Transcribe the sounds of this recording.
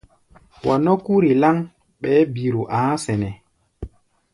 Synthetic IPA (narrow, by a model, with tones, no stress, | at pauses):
wa˨no˦ku˦ɾi˨la˦ŋ | ɓɛː˦biɾu˨ʔãː˦sɛnɛ˨